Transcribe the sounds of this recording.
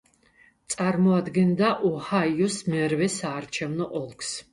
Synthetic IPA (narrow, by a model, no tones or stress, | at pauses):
t̪sʼaɾmɔad̪ɡɛnd̪aʔɔhaiusmɛɾvɛsaːɾt͡ʃʰɛvnɔʔɔlˠkʰs